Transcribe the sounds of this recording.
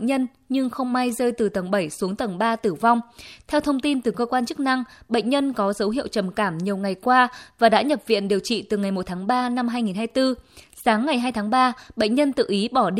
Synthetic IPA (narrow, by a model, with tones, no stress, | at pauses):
ɲə˧n | ɲɨ˧ŋxə˧wŋ͡mma˧jzəː˧jt̪ɨ˨˩t̪ə˨˩ŋɓə˧˩jsu˨˦əŋt̪ə˨˧˩ŋɓaː˧t̪ɨ˧˩va˧wŋ͡mt̪ʰɛ˧wt̪ʰə˧wŋ͡mt̪i˧nt̪ɨ˨˩kəː˧kwaː˧nt͡ɕk̚na˧ŋɓə̰˧˨ŋ̟ɲə˧nkɔ˨˦zə˨˦wɦḭ˧˨əwt͡ɕə˨˩mkaː˧˩mɲi˨˩əwŋa˨˩jkwaː˧vaː˨˩ɗa̰ː˧˥ɲə˨˩p̚vḭ˧˨ənɗi˨˩əwt͡ɕḭ˧˨t̪ɨ˨˩ŋa˨˩jmo˨˩t̚t̪ʰaː˨˦ŋɓaː˧na˧mɦaː˧jŋi˨˩nɦaː˧jt̪ɨ˧ | saː˨˦ŋːa˨˩jɦaː˧jt̪ʰaː˨˦ŋɓaː˧ɓə̰˧˨ŋ̟ɲə˧nt̪ɨ̰˧˨ʔi˨˦ɓɔ˧˩ɗ